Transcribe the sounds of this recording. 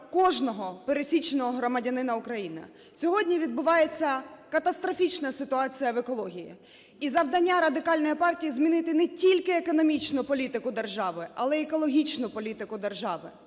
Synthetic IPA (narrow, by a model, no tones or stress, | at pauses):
kɔʒnɔɦɔpeɾesʲit͡ʃenɔɦɔɦɾɔmɐdʲɐnɪnɐukɾɐjinɪ̰ | sʲɔɦɔdʲnʲiʋʲid̪̚bʊʋɑjet͡sʲːɐkɐt̪ɐst̪ɾɔfʲit͡ʃnɐsɪt̪ʊɑt͡sʲijɐʋekɔlˠɔɦʲijḭ | izɐʋd̪ɐnʲːaɾɐd̪ɪkɑlʲnɔjipɑrtʲijizmʲinɪt̪ɪnɛtʲilʲkɪekɔnɔmʲit͡ʃnʊpɔlʲit̪ɪkʊd̪erʒɑʋɪɐlˠɛekɔlˠɔɦʲit͡ʃnʊpɔlʲit̪ɪkʊd̪erʒɑʋɪ̰